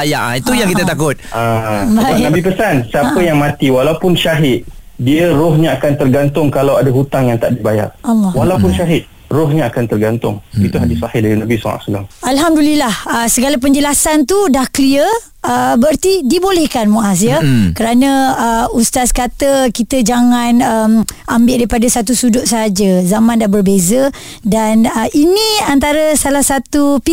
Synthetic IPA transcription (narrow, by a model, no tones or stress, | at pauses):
ajaʔit̪ujaŋkit̪ət̪akʊt̪̚abaanabipəsansiapəjaŋmãt̪iwalawpʊnʃaɦɪt̪̚ | diərɔɲaakant̪ərɡant̪ʊŋkalawadaɦut̪aŋjaŋt̪aʔdibaja̰ʔʔalːɔwalaupʊnʃaɦɪt̪̚ | rɔhɲaakant̪ərɡant̪ʊ̰ŋit̪uɦadɪsahɪhdaɾinabisɔ̰ŋa̰ʔsulaŋʔalɦamdulilahəsəɡalap̬əɲd͡ʒəlasant̪udahkəliə | əbəart̪idibolɛhkanmõʔas̬jəkəɾanə̃əust̪askat̪əkit̪əd͡ʒaŋanəmambɪʔdaɾipadasat̪usudʊʔ̪̚səɦad͡ʒəzamãndahbərbezə | danəinĩant̪aɾəsalahsat̪upi